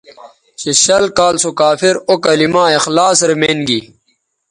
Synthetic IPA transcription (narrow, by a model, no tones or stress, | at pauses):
ɕeɕɐlkaːlsokaːfiɾokɐlimaːexlaːsɾemeːnɡi